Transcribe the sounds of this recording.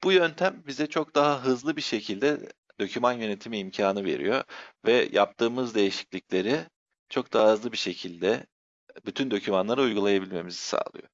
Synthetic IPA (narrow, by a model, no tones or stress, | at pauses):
b̥ujø̞nt̪ʰæmbizɛt͡ʃʰo̞k̚d̪aɦaɦɯzlˠɯbiʃe̞cʰilʲd̪ɛ | d̪̥o̞cʰymanjø̞ne̞t̪ʰimiːmcʰaːnɯve̞̰ɾḭjo̞vɛjʔa̰p̚t̪ʰɯːmɯzd̪e̞jiʃi̥cʲlʲiclʲe̞ɾi | t͡ʃʰo̞k̚d̪aɦaɦɯzlˠɯbiʃe̞cʰilʲd̪ɛ | byt̪ʰynd̪o̞cʰymanlˠaɾɯujɡulˠajabilʲme̞mizi̥sa̰ːlˠɯ̰jo̰